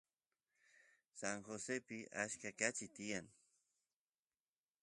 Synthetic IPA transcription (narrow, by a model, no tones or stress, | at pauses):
saŋxosepɪʔaʃkakat͡ʃɪt̪ɪjaŋ